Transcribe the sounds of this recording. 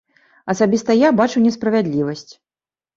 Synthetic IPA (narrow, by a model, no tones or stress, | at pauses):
ɐsabʲist̪ɐjabat͡ʂuwnʲɛspɾɐvʲad̪ʲlʲivɐsʲt͡sʲ